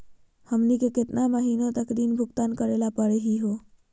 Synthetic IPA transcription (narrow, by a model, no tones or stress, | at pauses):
həmnikekɪt̪naməɦiːnõt̪əkd̪iːnbʱʊɡt̪aːnkəɾeːlapəɾeɦiɦo